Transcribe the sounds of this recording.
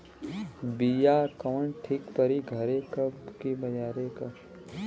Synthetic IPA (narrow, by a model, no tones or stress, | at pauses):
bijaːkɐʋənʈʰɪkpəɾiɡʱɐɾekɐbkibɐd͡ʒaːɾekɐ